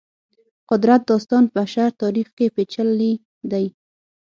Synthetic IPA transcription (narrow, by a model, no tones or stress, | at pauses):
qʊd̪ɾat̪̚d̪ɑst̪ɑnpəʃaɾt̪ɑɾixkepet͡ʃəlːi | d̪aj